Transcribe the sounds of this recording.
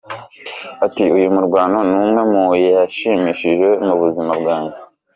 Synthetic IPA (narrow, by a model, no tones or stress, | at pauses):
atiujumuɾɡwaːnonumŋe̞mujaʃiːmiʃiʒwe̞muβuzimabɡaːɲɟe